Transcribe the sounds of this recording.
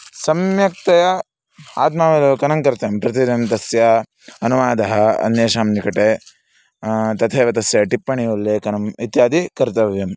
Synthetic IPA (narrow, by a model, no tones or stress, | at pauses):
sɐmjɐk̚t̪ɐjɐ | a̰ːt̪̚maːʋɐlokɐnɐŋkɐɾt̪ɐjɐmpɾɐt̪̬idjɐmt̪ɐsjɐ | ɐnuʋaːd̪ɐɦɐɐ̰njeːʃaːmnikɐʈe | t̪ɐt̪ʰeːʋɐt̪ɐsjɐʈipːɐɳiulːeːkɐnɐmit̪jaːd̪ikɐɾt̪ɐʋjɐm